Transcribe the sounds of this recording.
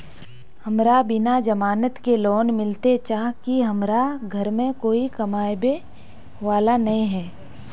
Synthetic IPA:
hɐmɾabɪnad͡ʒɐmaːnət̪kelɔːnmɪlt̪et͡ʃaːɦkiɦɐmɾaɡʱɐɾmẽkoːikɐmaːjbe | ʋaːlanɐɦĩɦɛː

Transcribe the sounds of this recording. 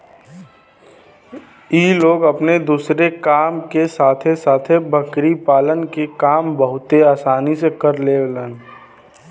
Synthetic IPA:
iːloːɡəpned̪uːsɾekaːmkesaːt̪ʰesaːt̪ʰebʱəkɾipaːlənkekaːmbəɦʊt̪eaːsaːnisekəɾleːleːn

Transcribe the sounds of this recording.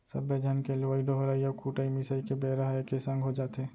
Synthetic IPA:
səbːed͡ʒʱənkeloaiɖoɦoɾaːiɔkʰuːʈaimɪsaikebeːɾəɦaekesə̃ŋɡʱɦod͡ʒaːt̪eː

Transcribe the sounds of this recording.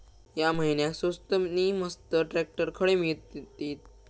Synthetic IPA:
jaməɦinjasost̪əniːməst̪əʈɾɛk̚ʈəɾkʰəɽemiɭt̪t̪iːt̪̚

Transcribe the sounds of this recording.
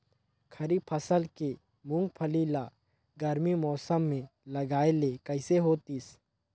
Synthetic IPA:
kʰɐɾipʰəsəlke | mʊ̃ŋɡpʰəliːla | ɡɐɾmimɔːsəmːẽlɐɡaːelekɐɪseɦoːt̪is

